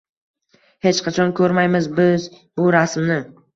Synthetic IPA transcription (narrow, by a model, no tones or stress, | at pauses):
he̞t͡ʃqʰɑt͡ʃʰɒnkʰɵɾmajmɪzbɪz | bʊɾasmnɪ